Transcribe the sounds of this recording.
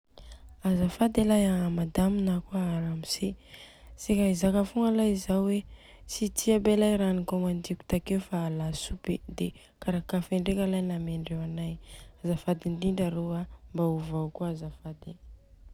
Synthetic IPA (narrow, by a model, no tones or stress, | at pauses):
azafad̪elajaamad̪aminakuaaɾamise | sekaizakafuŋalajizawwe | sit̪ʰiabelajɾanikomand̪ikʲu̥t̪akeufaːlasuped̪e | kaɾakafeɳɖ͡ʐekʲalajnameɳɖ͡ʐewanajazafad̪ind̪indaɾoambauvawkuazafad̪e